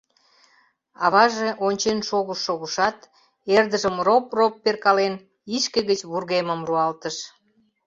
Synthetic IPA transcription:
ɑβɑʒeʔonʲt͡ɕenʃoɣəʃːoɣəʃɑt̪ | erd̪əʒəmropropːerkɑlen | iʃkeɣət͡ɕβurɣeməmruɑlt̪əʃ

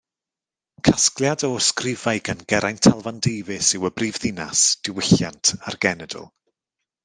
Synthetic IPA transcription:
kʰasklˠjadɔskrɪvajɡanɡɛɾajntʰalˠvandejvɨsɪwəbriːvðɪna̰sd̥ɪwɪɬjantʰarɡɛnɛdɔ̰lˠ

